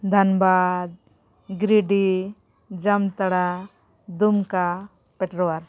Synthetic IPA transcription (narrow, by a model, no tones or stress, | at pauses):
d̪ʱanbad̪̚ | ɡɾiɖi | d͡ʒamt̪aɽa | d̪umka | pɛʈɾɔwaɾ